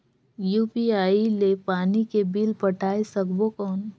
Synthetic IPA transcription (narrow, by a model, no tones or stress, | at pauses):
juːpiaːilepaːnikebiːlpɐʈʰaːesəkbokɔːn